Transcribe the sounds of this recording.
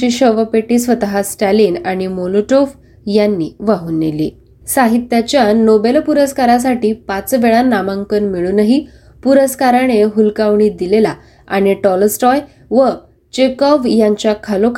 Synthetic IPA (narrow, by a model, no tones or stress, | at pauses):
iːɕəʋəpeʈiːsʋət̪əɦasʈaliːnaɽ̃imoloʈof | janːiːʋaɦuːnːḛlḭː | saɦit̪jat͡ɕjanobelpuɾəskaɾas̬aʈiːpat͡sʋeɭanːamãŋkənmiɭuːnəɦi | puɾəskaɾañeɦulkaʋɳiːd̪ilela | aɽ̃iʈɔlsʈɔj | ʋə | t͡ɕekɔʋjaɲt͡ɕjakʰalok